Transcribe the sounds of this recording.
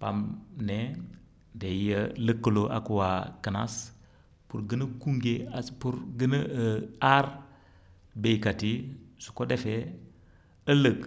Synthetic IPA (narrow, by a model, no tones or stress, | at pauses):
pa̰mne | deijələkːəloʔa̰kuwakəna̰s | puɾɡənəkuŋɡeaspuɾɡənəəaɾ | bejkatisu̥kodefe | ələk